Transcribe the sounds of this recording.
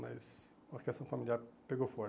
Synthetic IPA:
ma̰z | oɾkɛst̪ɾõfamiliaɾpeɡowfɔ

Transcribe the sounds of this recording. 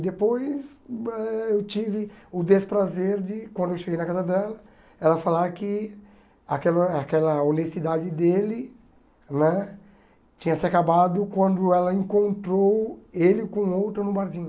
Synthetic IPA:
d̪epojsɛewt͡ʃivɪʊd̪espɾazeɾd͡ʒɪkwɐ̃d̪ʊewʃeɡejnɐkazɐd̪ɛlɐ | ɛlɐfalakɪ | akɛlɐakɛlɐonestid̪ad͡ʒɪd̪elɪ | nɛ̃ | t͡ʃĩɲɐsiakabad̪ʊkwɐ̃nd̪ʊɛlɐẽkõnt̪ɾowelɪkõowt̪ɾɐnʊbaɾd͡ʒĩ

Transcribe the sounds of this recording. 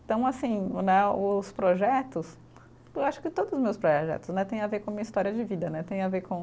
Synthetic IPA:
t̪ɐ̃w̃asĩnɛʊspɾoʒɛt̪ʊs | ewaʃʊ̥kɪt̪od̪ʊzʊzmewspɾoɛʒɛ̰t̪ʊsnɛt̪ẽj̃avekõamĩɲɐist̪ɔɾiɐd͡ʒɪvid̪ɐnɛt̪ẽj̃aveɾkõ

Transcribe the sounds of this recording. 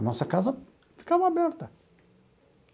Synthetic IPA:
nɔsɐkazɐ | fi̥kavɐ̃abɛɾt̪ɐ

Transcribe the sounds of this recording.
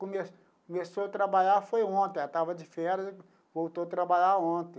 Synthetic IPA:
kõmes | kõmesoɐt̪ɾabaʎaɾfojõt̪ẽat̪avɐd͡ʒɪfɛɾɐzɪ | vowt̪oat̪ɾabaʎaɾõt̪ẽ

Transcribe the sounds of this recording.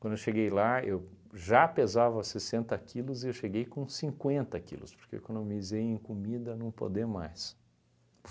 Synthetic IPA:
kwɐ̃nd̪ʊewʃeɡejlaewʒapezavɐsesẽnt̪ɐkʰilʊzɪewʃeɡejkõsĩŋkwẽnt̪ɐkḭlʊ̰spoɾkḛkɐ̃d̪ewmizejẽkomid̪ɐnɐ̃w̃po̰d̪emajs

